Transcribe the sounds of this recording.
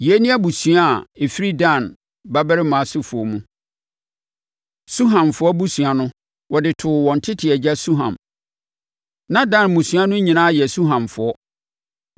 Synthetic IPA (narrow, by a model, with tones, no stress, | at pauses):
je˦nĩ˦a˦bu˨sɥa˦˨e˨fi˦ɾi˦dã˦˨n | ba˦bɾɪ˦mã˨sʊ˦fʊ˨ɔ˨mũ˦ | su˦ɦã˨nfʊ˦ɔ˦bu˦sɥ̃a˨nʊ̃˦ | wɔ˨dɪ˨tʰʊ˨wɔ̃˨n˨tʰɪ˦tʰɪ˨ɛ˨d͡ʑa˦su˦ɦã̰˨m | nã˦dã˦˨nmũ˨sɥ̃a˦nʊ̃˦ɲĩ˨nã˦˨jɛ˨su˦ɦã˨nfʊ˨˦ɔ˦